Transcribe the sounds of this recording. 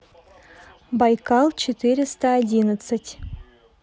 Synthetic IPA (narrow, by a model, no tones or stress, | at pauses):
bajkɑlˠt͡ɕɪt̪iɾʲɪst̪əːdʲinət̪sətʲ